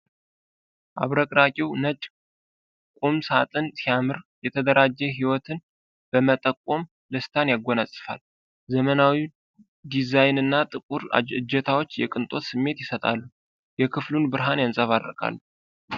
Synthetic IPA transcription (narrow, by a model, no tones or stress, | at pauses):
ʔa̰βɾəkʼɾakʼiwnət͡ʃʼ | kʷʼumsat̪ʼɨnt̪ʰamɨɾjɛt̪ʰəd̪əɾad͡ʒːɛɦiwɔt̪ʰɨn | b̥əmət̪ʼəkʼːo̞m | ləst̪ʰanjaɡʷonasʼɨ̥fa̰l | zəmənawi | d̪izajnɨnːat̪ʼɨkʼuɾ̰ɨd͡ʒːɛt̪ʰawo̞t͡ʃːjɛkʼɨnt̪ʼo̞t̪sɨmːe̞t̪jɪsət̪ʼa̰lːu | jɛkʰɨflunbɨɾɦanjansʼəβad̪ɾəkʰʼa̰lːu